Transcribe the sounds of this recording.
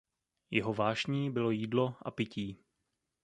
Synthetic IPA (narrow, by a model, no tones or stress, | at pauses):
jɛɦo̞vaːʃɲiːbɪlo̞jiːdlo̞ʔa̰pɪciː